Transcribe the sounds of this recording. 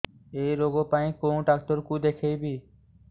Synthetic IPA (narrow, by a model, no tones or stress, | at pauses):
ejɾoɡopaj̃kow̃ɖak̚t̪oɾkud̪ekʰejbi